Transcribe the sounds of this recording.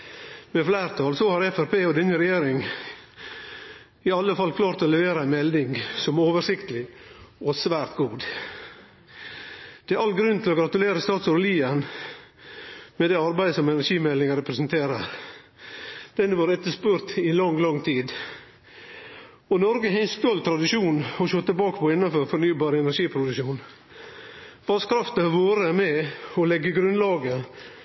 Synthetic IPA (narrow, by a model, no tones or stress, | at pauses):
mɛflæːɾt̪ʰɑːlsɔhɑɾɛfæɾpʰeːɔd̪ɛnːəɾɛjeːɾɪŋ | ɪɑlːəfɑlkʰlɑːɾt̪ɔlɛʋeːɾəæɪnmɛld̪ɪŋsɔmoːʋəʂɪkt̪əlɪɔsʋæːɾt̪ɡuːd̪ | d̪̥ɛæɑlɡɾʉnt̪ʰɪlɔɡɾɑt̪ʉleːɾəst̪ɑːt̪sʊɾliːən | mɛd̪ɛɑɾbæɪd̪əsɔmɛnæɾʂiːmɛlːɪŋəɾɛpɾɛsənt̪ʰeːɾəɾ | d̪̥ɛnʋɑːɾɛt̪ːəʂpʉːɾt̪ɪlɑŋːlɑŋːt̪ʰiːd̪ | ɔnɔɾɡəɦɛɪnst̪ɔlt̪ʰɾɑd̪ɪʂuːnɔʃɔt̪ːəbɑːkəpʰɔɪnːɑnfɔɾfɔɾnyːbɑːɾɛnæɾʂiːpʰɾʊd̪ʉʃuːn | ʋɑskʰɾɑft̪əɑɾʋoːɾəæmɛɔlɛɡːəɡɾʉnlɑːɡə